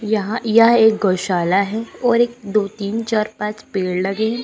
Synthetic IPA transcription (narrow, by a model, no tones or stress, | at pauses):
jɐɦãjɐɦãeːk̚ɡoːʃaːlaɦɛɔːɾeːk̚d̪oːt̪iːnt͡ʃaːɾpãːt͡ʃpeːɽlɐɡẽː